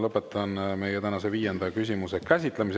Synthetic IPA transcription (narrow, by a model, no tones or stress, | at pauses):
lɤpːˑe̞t̪ːˑɑnme̞jet̪ænɑseviːjend̪̥ɑkysʲimuse̞kæsʲit̪ˑlemis